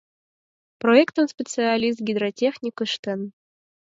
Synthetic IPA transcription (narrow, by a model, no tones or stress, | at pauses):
proekt̪ənspʲet͡sɨalʲis̬t̪̚ɡʲid̪ɾotʲexnʲikəʃt̪ə̆n